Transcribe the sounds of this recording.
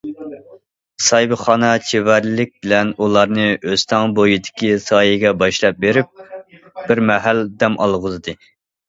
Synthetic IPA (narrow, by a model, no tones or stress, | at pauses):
sɑjbɨχɑnɑt͡ʃʰevæɾlɪk̚ʲbɪlɛnulˠɑɾnɨʔøzt̪ʰɑŋbojid̪ɪ̥kʲisɑːjɪɡʲɛbɑʃlˠɑp̚beɾɪp̚ | b̥ɪɾmɛɦæld̪ɛmʔɑ̰lˠʁʊzɨd̪ɨ